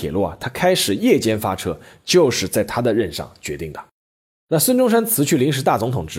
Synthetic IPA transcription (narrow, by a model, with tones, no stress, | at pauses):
ɛ̰˨˩lwɔ˥˩a̰˩t̪ʰa˥kʰa˥ɪʂɻ̩˨˩jɛ˥˩t͡ɕjɛ˥nfa̰˥ʈ͡ʂʰɤ˥t͡ɕjo˥˧ʊʂɻ̩˥˧t͡sa˥˩ɪt̪ʰa˥d̪ə˨ɻə˥˧nʂɑ̰˥˩ŋt͡ɕɥɛ˧˥t̪i˥˩ŋd̪ə˩ | na˥˩swə˥nʈ͡ʂʊ˥ŋʂ̬a˥nt͡sʰɹ̩˧˥t͡ɕʰy˥˩li˧˥ŋʂ̬ɻ̩˧˥t̪a˥˩t͡sʊ˧˥ŋt̪ʰʊ˨˩ŋʈ͡ʂɻ̩˧˥